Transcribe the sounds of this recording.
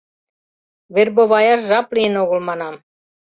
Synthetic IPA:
βerboβɑjɑʃʒɑplʲiənoɣə̆lmɑnɑm

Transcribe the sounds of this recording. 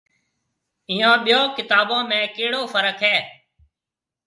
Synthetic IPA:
ɪ̃ːjãːɓɪjoːkɪt̪aːɓãːmẽːkeːɽoːfəɾəkʰɦɛː

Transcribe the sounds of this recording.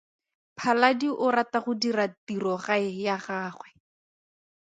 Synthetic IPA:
pʰaladiʔʊɾataχʊdiratirɔχaɪjaχaːχwɛ

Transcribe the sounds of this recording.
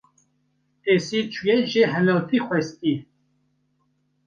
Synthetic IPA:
esit͡ʃʰujɛʒeɦɛlot̪ʰixʷɛst̪iː

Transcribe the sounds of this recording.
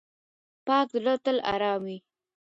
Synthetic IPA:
pɑːk̚d̪əlot̪əla̰ɾɑːmwi

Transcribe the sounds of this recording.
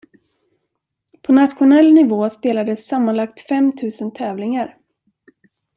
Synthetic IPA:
pʰɔnat̪ɧʊnɛlnɪvoːspeːlad̪əsːamːanlakt̪fɛmt̪ʰʉ̟ːsənt̪ʰɛːvlɪŋaɾ

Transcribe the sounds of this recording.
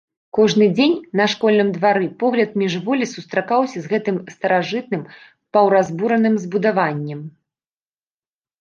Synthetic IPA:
kɔʐnɨd͡zʲenʲnɐʂkɔlʲnɨmd̪vaɾɨpɔɣlʲɐt̪̚mʲiʐvɔlʲisust̪ɾakawsʲɐzɣɛt̪ɨmst̪ɐɾaʐɨt̪̚nɨm | pɐwɾazbuɾɐnɨmzbud̪avanʲːɛm

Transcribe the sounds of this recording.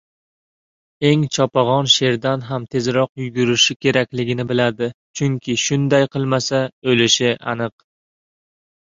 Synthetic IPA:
e̞ŋt͡ʃʰɒpaʁɒnʃe̞ɾd̪anɦamt̪ʰe̞zɾɒq̚jʊɡʲʊɾɪʃɪkʲʰe̞ɾakʲlɪɡʲɪnɪbɪlad̪ɪt͡ʃʰʊŋkʲʰɪʃʊnd̪ajqʰɨlˠmasaɵlɪʃɪʔa̰nɨq

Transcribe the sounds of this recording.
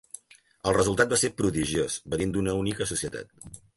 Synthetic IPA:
əlˠrəzulˠt̪at̪̚baseɾpɾuðiʒiosβənind̪unəunikəsusiət̪a̰t̪̚

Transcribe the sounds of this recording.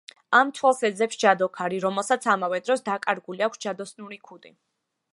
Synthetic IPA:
amt̪ʰwɛlˠsɛd̪zɛpsd͡ʒad̪ɔkʰaɾiɾɔmɛlˠsat̪sʰamavɛd̪ɾɔsd̪akʼaɾɡuliakʷʰsd͡ʒad̪ɔsnuɾikʰud̪i

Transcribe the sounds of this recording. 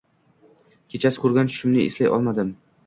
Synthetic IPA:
kʲʰet͡ʃʰasɪ̥kʰʊɾɡʲant͡ʃʰʊ̥ʃɪmnɪḛslajʔɒ̰lˠmad̪ɪm

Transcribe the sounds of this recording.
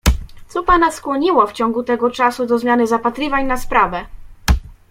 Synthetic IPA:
t̪sɔpanaskwɔɲiwaft͡ɕɔ̃ŋɡut̪ɛɡɔt͡ʂasud̪ɔzmjanɘzapat̪ɾɘvaɲnaspɾavɛ

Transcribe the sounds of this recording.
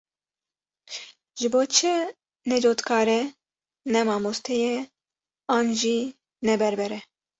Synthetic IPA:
ʒɨboːt͡ʃʰɨ | nɛd͡ʒoːt̪kʰɑːɾɛ | nɛmɑːmost̪ʰɛjɛ | ɑːnʒi | nɛbɛɾbɛɾɛ

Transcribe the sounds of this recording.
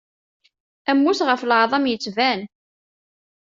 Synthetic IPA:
æmːusʁəfləʕðˤɑmjət͡sːvæn

